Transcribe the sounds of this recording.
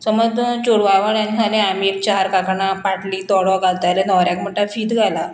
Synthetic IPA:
sɔmɔd̪t͡ɕoɽʋaʋəɳjãnsʰaleamiːek̚t͡ɕaɦaɾkakɳapaʈliːt̪ɔɽɔɡalt̪alenɔɾjakm̤əɳʈafiːt̪ɡʱala

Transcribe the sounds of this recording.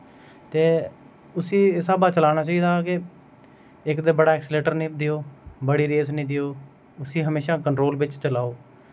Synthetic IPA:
t̪eː | ʊsĩːɪsaːbaːt͡ʃəlaːnaːt͡ʃaːiːd̪aːkɪ | ɪkd̪eːbəɽaːɛksleːʈəɾnĩːd̪ɪjoːbəɽiːɾeːsnĩːd̪ɪjoː | ʊsĩːɦəmeːʃaːkəɳʈɾoːlbɪt͡ʃt͡ʃəlaːoː

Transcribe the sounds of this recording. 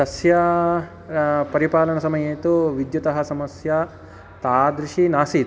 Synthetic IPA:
ɐsjɐ | pɐɾipaːlɐɳɐsɐmɐjeːt̪uʋid̪jɐt̪ɐɦɐ̆sɐmɐsjɐ | t̪aːd̪ɾiʃinaːsit̪

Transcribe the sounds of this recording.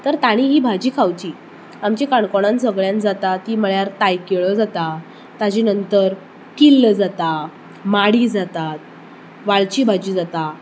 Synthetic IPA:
t̪əɾt̪aɽ̃iɦiːbʱad͡ʑiːkʰawt͡ɕiː | amt͡ɕekaɳkoɽ̃ãnsəɡɭjãnd͡zat̪at̪iːməɭjaɾt̪ajkeɭəd͡zat̪a | t̪ad͡ʑinənt̪əɾ | kilːəd͡zat̪a | maɽiːd͡zat̪at̪̚ | ʋaɭt͡ɕiːbʱad͡ʑiːd͡zat̪a

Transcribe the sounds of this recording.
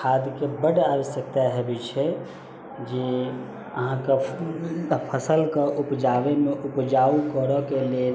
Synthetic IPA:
kʰad̪kebəɽabəsək̚t̪aɦebit͡ʃʰɛ | d͡ʒe | əɦãke | pʰəsəlkeʔupd͡ʒaʋemeʔupd͡ʒaukəɾəkele

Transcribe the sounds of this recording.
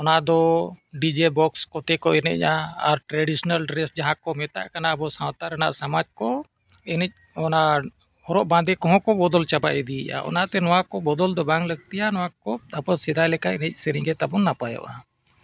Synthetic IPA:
ɔnad̪ɔɖid͡ʒebɔkskɔt̪ɛkɔɛnɛ̰c̚ˀaaɾʈɾaɖisɔnalɖɾɛsd͡ʒaɦãkɔmɛt̪a̰ʔkanaəbɔsãwt̪aɾɛna̰ʔsamad͡ʒkɔ | ɛnɛc̚ | ɔna | ɔɾɔʔbãd̪ɛkɔɦɔ̃kɔbɔd̪ɔlt͡ʃaba̰ʔɛd̪iɛʔa̰ʔɔ̰nat̪ɛnɔwãkɔbɔd̪ɔld̪ɔbãŋɡləɡ̚t̪ijanɔwakɔapɔsid̪ajlɛkaʔɛnɛc̚ˀsəɾiɡɛt̪abɔnːapajɔ̰ʔa

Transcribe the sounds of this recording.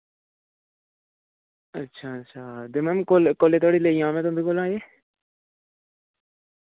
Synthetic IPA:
ɐtːʃʰaɐtːʃʰaːd̪ɪmemkolkoːlet̪ʰoːɽileːjãːmẽt̪ʊmbʱikolãːjeː

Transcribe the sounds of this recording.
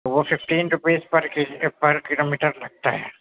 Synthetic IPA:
ʋoːfɪfʈiːnʈupeːspɐɾkipɐɾkɪloːmiːʈɐɾlɐɡ̚t̪a̰ːjḛ

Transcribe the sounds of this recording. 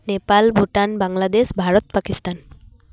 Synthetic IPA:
nepalbʱuʈanbaŋlad̪esbʱaɾot̪pakist̪an

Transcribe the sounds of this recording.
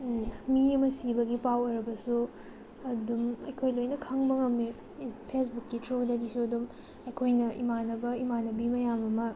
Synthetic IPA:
miɐmɐsibɐɡipawɐɾɐbɐsu | ɐdumɐ̰jkʰojlojnɐkʰɐŋbɐŋɐme | pʰes̬bukːitɾodɐdisuɐdum | ɐjkʰojnɐʔḭmanɐbɐimanɐbimɐjamɐmɐ

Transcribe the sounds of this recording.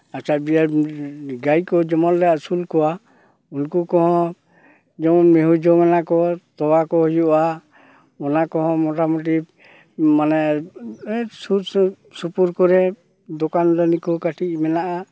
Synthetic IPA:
at͡ʃabijaɾɡajkɔd͡ʒɔmɔldɛasulkɔwa | unkukɔ̃ɦɔ̃ | d͡ʒɔɔmeɦud͡ʒɔmɛnakɔt̪ɔwakɔɦɔjuʔa | ɔnakɔɦɔ̃mɔʈamɔʈ̬i | manɛ | su | supuɾkɔɾɛ | d̪ɔkandanikɔkaʈʰiʔ̚mɛnaʔa

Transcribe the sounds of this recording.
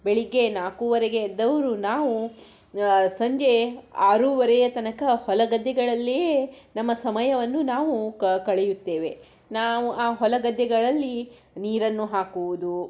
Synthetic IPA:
beɭiɡːe̞naːkuːʋɐɾɛɡeːd̪ɐʋɐɾunaːʋu | sɐɲd͡ʒe̞aːɾuːʋɐɾɛjɐt̪ɐnɐkɐhɔlɐɡɐd̪ːɛɡɐɭɐlːijenɐmːɐsɐmɐjɐʋɐnːunaːʋukɐɭɛjut̪ːe̞ːʋe̞ | naːʋuʔaːɦɔlɐɡɐd̪jɛɡɐɭɐlːi | niːɾɐnːuɦaːkuʋud̪u

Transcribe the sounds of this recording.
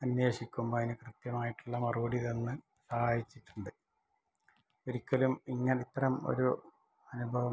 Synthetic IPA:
ɐnjeːɕikʲːumboːðinɨkrɨt̪jɐmaːjiʈːuɭːɐmɐruɐɽiðenːɨ | sɐhaːjit͡ɕːiʈːuɳɖɨ | oɾikʲːɐlumiŋːɐnit̪ːɐrɐmo̰ɾu | ɐnubʱɐʋɐ

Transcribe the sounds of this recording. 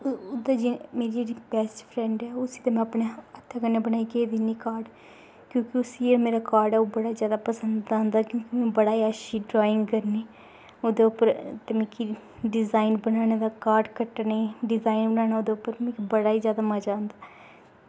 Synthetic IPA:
d̪ad͡ʒemeːɾiːd͡ʒeːɽiːbɛːsʈpʰɾɛ̃ːɳɖɛːʊsiːt̪emɛ̃əpɳeət̪ʰːaːkəneːbənaːiːked̪iniːkaːɾɖ | kjõːkɪʊsiemeːɾaːkaːɾɖɛːoːbəɽaːizjaːd̪aːpəsənd̪ãːnd̪aːkjõːkimɛ̃ːbəɽaːiːəʃiːɖɾaːɪ̃ŋɡkəɾniː | oːd̪eːʊpəɾt̪emɛ̃ːki | ɖɪzaːinbənaːned̪aːkaːɾɖkəʈːneːɖɪzaːinbənaːnaːoːd̪eːʊpːəɾmɛ̃ːkibəɽaːiːzjaːd̪aːməd͡ʒaːnd̪aː

